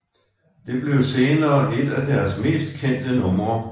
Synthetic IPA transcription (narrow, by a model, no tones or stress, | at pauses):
d̥e̝b̥le̝ʊse̝ːnɐːʔe̝d̥æd̥æɐsme̝̰ːsd̥̚kʰen̰d̥ənɔ̽mʁɐ